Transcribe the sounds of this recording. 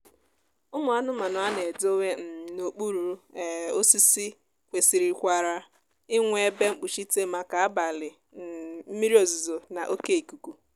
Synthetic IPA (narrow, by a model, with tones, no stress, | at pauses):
ʊ˦mʊ˨a˦nʊ˦ma˨nʊ˨a˦ne˨do˦we˦m̩˨no˨k͡pu˦ɾu˨ɾo˦si˦si˦ | kʷe˨si˨ɾi˨kʷa˨ɾa˨ | ɪ˦ŋʷe˦e˦be˦ŋ͡m̩˦k͡pu˨ʃi˦te˦ma˨ka˨a˦ba˨lɪ˨ | m̩˦mi˦ɾi˦o˨zu˨zo˨na˨ʔo˦ke˦i˨ku˨ku˨